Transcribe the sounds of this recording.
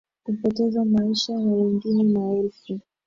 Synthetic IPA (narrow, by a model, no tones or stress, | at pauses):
kupɔtɛzamaiʃajawiŋɡininaɛlfu